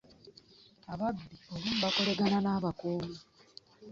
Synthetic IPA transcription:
aβabːioβum̩bako̞le̞ɡananaːβakoːma

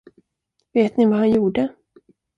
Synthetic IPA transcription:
veːt̪nɪvahanjuːɖə

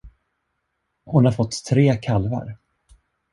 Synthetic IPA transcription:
hʊnhaɾfɔt̪ːʰɾeːkʰalva̰ɾ

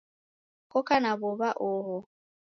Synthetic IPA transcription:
kʼɔkanaβɔβaʔɔɦɔ

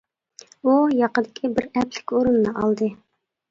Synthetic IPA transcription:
ujɑqəd̪ɪkʲʰibɪɾɛpʰlɪ̥kʲoɾunːɨʔɑlˠd̪ɨ

